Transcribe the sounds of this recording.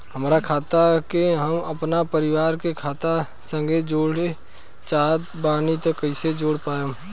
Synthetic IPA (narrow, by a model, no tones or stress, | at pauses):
ɦəmɾakʰaːt̪akeɦəməpnapəɾɪwaːɾkekʰaːt̪a | sə̃ŋɡed͡ʒoːɽe | t͡ʃaːɦt̪ | baːnit̪əkːəɪsed͡ʒoːɽpaːjo